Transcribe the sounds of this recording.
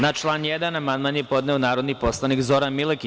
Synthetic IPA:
nat͡ʃlˠaːnjed̪anamanmaɲepo̞d̪neonaːɾo̞d̪nipo̞slˠanikzo̞ɾanmileki

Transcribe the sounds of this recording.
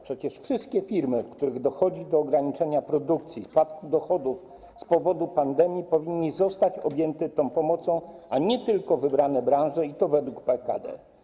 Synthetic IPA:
pʂɛt͡ɕɛʂfʂɘst̪̚kʲɛfʲiɾmɘfkt̪uɾɘɣd̪ɔxɔd͡ʑid̪ɔːɡɾaɲit͡ʂɛɲapɾɔd̪uk̚t̪sʲjispat̪kuvd̪ɔxɔd̪uf | spɔvɔd̪upand̪ɛmʲjipɔvʲiɲːizɔst̪at͡ɕɔbʲjɛnt̪ɛt̪ɔ̃w̃pɔmɔt̪sɔ̃w̃aɲɛt̪ɘlkɔvɘbɾanɛbɾãʐɛit̪ɔvɛd̪wukpɛka̰d̪ɛ̰

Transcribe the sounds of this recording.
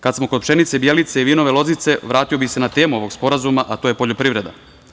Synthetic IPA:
kad̪smokod̪pʃe̞nit̪sebjelit̪seiʋiːno̞ʋelˠo̞zit̪se̞ʋɾaːt̪io̞bixse̞nat̪e̞ːmuo̞ʋo̞ɡspo̞ɾazumaʔat̪ojepoʎopɾiʋɾe̞d̪a̰

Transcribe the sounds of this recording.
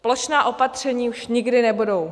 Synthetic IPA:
ploʃnaːʔo̞pat̪r̝̥ɛɲiːuʃɲɪɡdɪnɛbudow

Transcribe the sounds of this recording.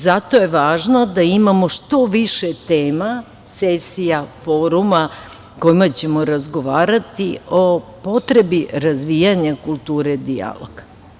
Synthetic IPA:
zat̪o̞je̞ʋaːʒnod̪aimamo̞ʃt̪o̞ʋiʃet̪eːma | sesijafo̞ɾuma | ko̞imat͡ɕe̞mo̞ɾazɡoʋaːɾat̪iopo̞t̪ɾebiɾazʋijaɲakulˠt̪uːɾed̪ia̰lo̰ɡ̥

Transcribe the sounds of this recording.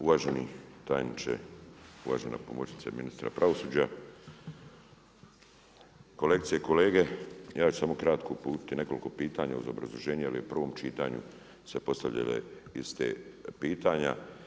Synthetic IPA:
uʋaːʒenit̪ajnit͡ʃḛuʋa̰ːʒena̰po̞mot͡ʃi̥t̪saminist̪ɾa̰pɾʔaʋo̞suːd͡ʑa | ko̞lek̚t̪sijeko̞le̞ːɡe̞jaːt͡ʃu̥samokɾat̪ko̞upuːt̪i̥t̪ine̞ko̞liko̞piːt̪aːɲauzobɾazlˠoʒeːɲujeliupr̩ʋo̞ːmt͡ʃiːt̪a̰ːɲṵ | se̞po̞st̪aʎa̰lḛist̪ḛːpiːt̪aːɲa̰

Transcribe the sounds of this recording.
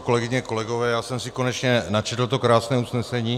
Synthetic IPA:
ko̞lɛɡɪɲɛko̞lɛɡo̞vɛːjaːsɛmsiko̞nɛt͡ʃɲɛnat͡ʃɛt̪l̩t̪okɾaːsnɛːusnɛsɛɲiː

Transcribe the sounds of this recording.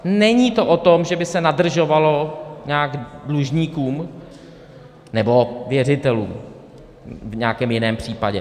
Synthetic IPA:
nɛɲiːt̪o̞ʔot̪omʒɛbɪsɛnadr̩ʒo̞valo̞ɲaːɡdluʒɲiːkuːm | nɛbo̞vjɛr̝ɪt̪ɛluːm | vɲɛakɛːmjɪnɛːmpr̝̥iːpaɟɛ

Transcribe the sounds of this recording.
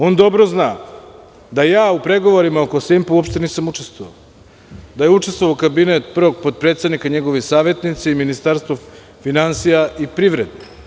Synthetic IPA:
o̞nd̪o̞bɾoznaː | d̪ajaːupɾe̞ɡo̞ʋoɾimaoko̞simpuopʃt̪e̞niːsamut͡ʃest̪ʋoʋa̰ | d̪ajeut͡ʃe̞st̪ʋoʋakabinet̪pr̩ʋoɡ̚pod̪̚pɾet̪st̪ad̪nikaɲeɡoʋesaːʋjet̪nit̪seiminist̪aɾst̪vo | finansijaʔipɾiʋɾed̪e

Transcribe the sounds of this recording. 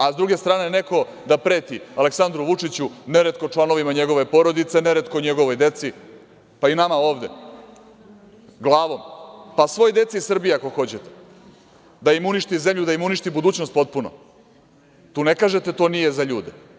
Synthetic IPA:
azd̪ɾuɡe̞st̪ɾaːne̞ne̞ko̞ | d̪apɾe̞ːt̪ialeksand̪ɾuʋut͡ʂit͡ɕuneɾet̪ko̞t͡ʂlˠano̞ʋimaɲe̞ɡo̞ʋe̞po̞ɾo̞d̪it̪se̞ne̞ɾet̪̚koɲe̞ɡo̞ʋo̞jd̪e̞t̪si | painamao̞ːʋd̪e̞̰ | ɡlˠaːʋo̞mpasʋo̞jod̪e̞t̪siːsr̩bijeako̞xo̞t͡ɕet̪e̥ | d̪aimuniʃt̪ize̞mʎud̪aimuniʃt̪ibud̪uːt͡ɕnost̪po̞t̪̚puno̰ | t̪uːne̞kaːʒet̪e̞t̪o̞ːnije̞zaʎuːd̪e

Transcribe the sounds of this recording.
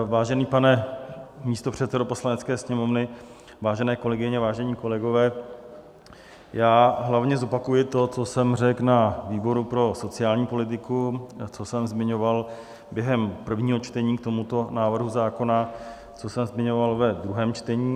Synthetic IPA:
vaːʒɛniːpanɛ | miːst̪opr̝̥ɛt̪sɛdopo̞slanɛtt͡skɛːsɲɛmo̞vnɪ | vaːʒɛnɛːko̞lɛɡɪɲɛvaːʒɛɲiko̞lɛɡo̞vɛː | jaːɦlavɲɛzo̞pakujɪt̪o̞t͡so̞sɛmrɛknaviːbo̞ɾupɾo̞so̞t͡sɪaːlɲiːpo̞lɪt̪̬ɪkut͡so̞sɛmzmɪɲo̞val | bjɛɦɛmpr̩vɲiːɦo̞t͡ʃt̪ɛɲiːkt̪o̞mut̪o̞naːvr̩ɦuzaːko̞na | t͡so̞sɛmzmɪɲo̞valvɛd̪ɾuɦɛːmt͡ʃt̪ɛɲiː

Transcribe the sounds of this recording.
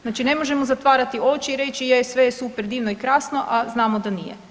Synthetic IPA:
znaːt͡ʃine̞mo̞ʒemozat̪ʋaːɾat̪io̞t͡ʃiːɾe̞t͡ʃijejesʋejesupeɾd̪iːʋnoikɾaːsno̞ʔaznaːmod̪anḭjḛ

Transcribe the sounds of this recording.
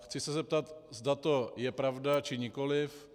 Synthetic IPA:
xt͡sɪsɛzɛp̚t̪at̪zd̪at̪ojɛpɾavdat͡ʃɪɲɪkolɪf

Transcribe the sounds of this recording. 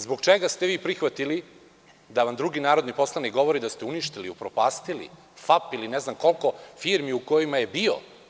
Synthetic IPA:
zbo̞ɡt͡ʃeɡast̪e̞ʋiːpɾixʋat̪ili | d̪aʋamd̪ɾuɡinaːɾo̞d̪nipo̞slˠanikɡo̞ʋo̞ɾid̪ast̪euniʃt̪iliupɾopaːst̪ilḭ | fapilineznamko̞lˠko̞fiːɾmiuko̞jimaje̞bio̰

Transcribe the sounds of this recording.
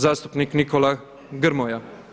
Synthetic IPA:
zaːst̪u̥pniknikɔla | ɡəɾmɔja

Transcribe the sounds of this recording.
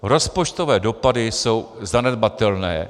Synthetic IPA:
ɾo̞spo̞t͡ʃt̪ovɛːdo̞padɪso̞wzanɛd̪̚bat̪ɛlnɛː

